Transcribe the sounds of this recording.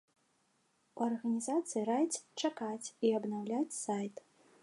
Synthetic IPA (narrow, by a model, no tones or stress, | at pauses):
uɐrɣɐnʲizat̪sɨjiɾajt̪sʲt͡ʂakat͡sʲiɐbnawlʲat͡sʲsajt̪